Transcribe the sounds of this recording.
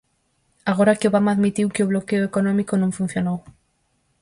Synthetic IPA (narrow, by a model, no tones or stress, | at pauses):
aɣ̞oɾakɪoβamaðmit̪iwkɪoβlokeoekonɔ̃mikonõŋfũn̟θjonow